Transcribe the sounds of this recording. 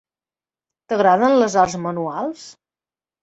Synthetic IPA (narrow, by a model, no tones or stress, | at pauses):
t̪əɣɾaðənləzarzmənualˠs